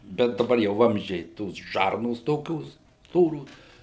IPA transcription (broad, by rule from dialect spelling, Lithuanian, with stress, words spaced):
ˈbʲɛt dɐˈbɐr jɛʊ ˈʋɐmʲzʲd͡ʒʲɛɪ ˈtoːs ˈʒɐrnoːs ˈtoːkʲoːs ˈstoːroːs